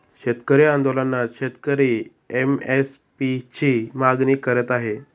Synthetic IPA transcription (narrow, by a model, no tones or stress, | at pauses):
ɕet̪kəɾiand̪olanːaɕet̪kəɾiː | emes | pit͡ɕiːmaɡniːkəɾət̪aɦe